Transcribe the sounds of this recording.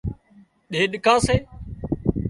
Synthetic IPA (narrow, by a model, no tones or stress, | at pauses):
ɗeːɗɪkaːseː